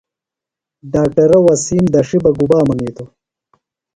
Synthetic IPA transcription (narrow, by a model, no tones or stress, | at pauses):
ɖaːk̚ʈɐɾɐwɐsiːmd̪ɐʂibɐɡubaːmɐniːt̪o